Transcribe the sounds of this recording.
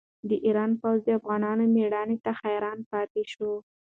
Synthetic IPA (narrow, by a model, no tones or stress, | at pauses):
d̪əʔiɾɑnpawzd̪əafɣɑnɑnomeɽɑnet̪axajɾɑnpɑt̪eʃo